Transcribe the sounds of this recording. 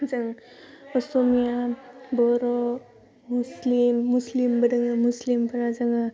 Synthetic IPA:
zaŋ | ɔsomijabɔɾɔ | muslimːuslimbədaŋamuslimpʰɐɾazaŋa

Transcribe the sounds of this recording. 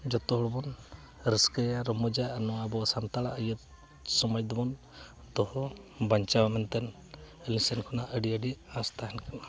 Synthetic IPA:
d͡ʒɔt̪ɔɦɔɽɔbɔn | ɾəskəjaɾɔmɔd͡ʒaʔnɔwabɔsant̪aɭaʔəjət̪̚ | sɔmɔjd̪ɔbɔn | t̪ɔhɔbaɲt͡ʃawamɛnt̪ɛn | əlisɛnkʰɔnaʔəɖiəɖiãst̪aɦɛnkʰana

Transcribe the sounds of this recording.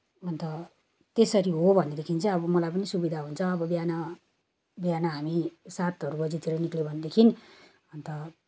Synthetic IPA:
ʌnt̪ʌ | t̪esʌɾiɦobʱʌnːed̪ekʰint͡sʰʌ̃ʌbʌmʌlajpʌnisubid̪ʱaɦunt͡sʰʌ̃ʌbʌbjana | bjanaɦamisat̪ʌɾubʌd͡zet̪ʰiɾʌniklebʱʌned̪ekʰin | ʌnt̪ʌ

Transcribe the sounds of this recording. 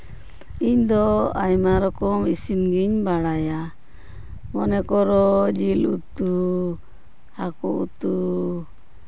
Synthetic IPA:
iɲd̪ɔajmaɾɔkɔmisinɡiɲbaɽaja | mɔnɛkɔɾɔd͡ʒilut̪u | hakɔṵt̪u

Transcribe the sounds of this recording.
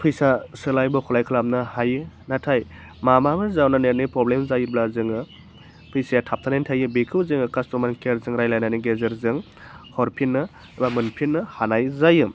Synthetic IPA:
pʰɯjsasɯlajbɔkʰɔlajkʰɯlam̚nɯhajɯ | natʰaj | mamamɯzawnaneɾnipɾɔblemzajɯblazɯŋɯ | pʰɯjsajatʰap̚tʰanentʰajɯbikʰɯwzɯŋɯkastɔmankeɾzɯŋɾajlajnaniɡezeɾzɯŋ | hɔɾpʰinːɯ | bamɯnpʰinːɯhanajzajɯm

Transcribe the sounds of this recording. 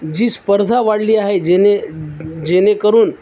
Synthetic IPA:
d͡ʑiːspəɾd̪ʱaʋaɽliːaɦed͡ʑened͡ʑenekəɾuːn

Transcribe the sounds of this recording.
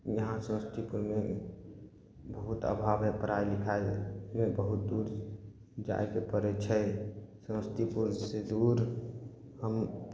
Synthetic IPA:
jəɦãsə̃wst̪ʰipuɾme | bəɦut̪ə̰bʱabepəɾailikʰaemebəɦut̪̚d̪uɾ | d͡ʒa̰ekepəɾɛt͡ʃʰɛsə̃st̪ipuɾsed̪uɾ | həm

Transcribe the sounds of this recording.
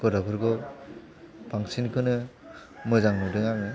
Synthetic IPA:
ɡɔɾapʰɯɾɡɔ | baŋsinkʰɯnɯ | mɯzaŋnɯdɯŋaŋ̚nɯ

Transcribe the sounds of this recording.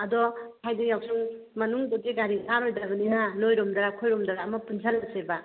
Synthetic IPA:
ɐdɔkʰajdijawsʰuŋ | mɐnuŋdɔɡeɡaɾiaɾɔjdabaninanojɾɔmdaɾakʰojɾɔmdaɾaːmapunsʰalaseba

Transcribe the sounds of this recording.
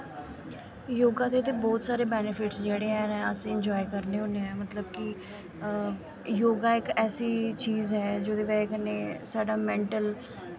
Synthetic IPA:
joːɡãːd̪eːt̪eːbɔːt̪saːɾeːbɛːnɪpʰɪʈsd͡ʒeːɽeːɦɛːnɛ̃ːəsĩːɪɲd͡ʒɔːikəɾneːʊneɛ̃ːmət̪ləb̚kɪ | joːɡaːɪkɛːsiːt͡ʃiːzɦɛːd͡ʒod̪eːʋɛːkəneːsaːɖaːmɛ̃ːɳʈəl

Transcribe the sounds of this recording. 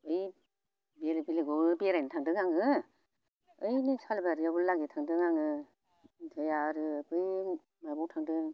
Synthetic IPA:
ɯj | belbileɡɔɡɯbeɾajnɯtʰaŋdɯŋaŋɯ | ɯjnisʰalbaɾijabullaɡetʰaŋdɯŋaŋɯ | tʰɯjaɾɯbɯj | mabɔwtʰaŋdɯŋ

